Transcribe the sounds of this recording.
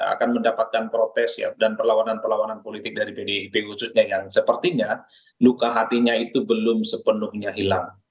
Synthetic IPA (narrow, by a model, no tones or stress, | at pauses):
a̰kanməndapat̪̚kanpɾot̪ɛsja̰danpərlawananpərlawananpolit̪ɪk̚daɾipedeipeɦusʊs̚ɲajaŋsəpərt̪iɲa | lukaɦat̪iɲait̪ubəlʊmsəpənʊhɲaɦilaŋ